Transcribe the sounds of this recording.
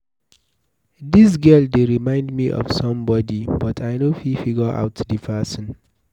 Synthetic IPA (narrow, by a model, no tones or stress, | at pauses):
dis̬ɡɛldeɹimãɪ̃ndmiʔɔ̰v̥sʌ̃mbɔdibʌtʰajnofifiɡəʔa̰ʊtdipʰɛsə̃n